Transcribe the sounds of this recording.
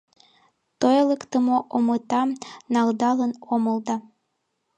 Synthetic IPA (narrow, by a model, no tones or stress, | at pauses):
t̪ojlekt̪ə̆moʔomɤt̪ɑnɑld̪ɑlənoməlˠd̪ɑ